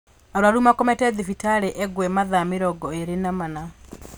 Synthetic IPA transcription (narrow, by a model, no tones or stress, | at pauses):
aɾwaɾumakɔmɛtɛðifitaɾeʔɛɡwɛmaðameɾɔɡɔeɾenamana